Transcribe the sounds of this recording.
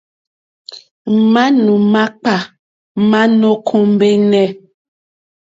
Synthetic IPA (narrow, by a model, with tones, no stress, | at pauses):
m̩˨ma˦nu˨ma˦k͡pa˨ | ma˦no˦kʰo˦m˦be˦nɛ˦˨